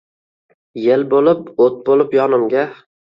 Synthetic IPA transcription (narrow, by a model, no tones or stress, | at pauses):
jelbolɪpot̪̚bolˠɪpjɒnɪmɡʲa